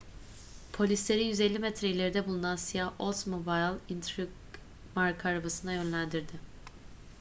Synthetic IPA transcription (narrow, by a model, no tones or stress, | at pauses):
pʰo̞lʲislʲe̞ɾijyzelʲːimɛt̪ʰɾeilʲe̞ɾid̪ɛbulˠunansijahʔolˠt̪mobajlˠint̪ʰɾiɡ | maɾkʰaɾbasɯnajø̞nlʲænd̪iɾd̪ɪ